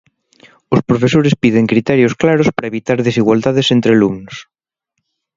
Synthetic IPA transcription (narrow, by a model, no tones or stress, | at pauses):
ospɾofesoɾespiðeŋkɾit̪ɛɾjosklaɾospɾɐeβit̪aɾðesiɣwald̪aðesent̪ɾealumnos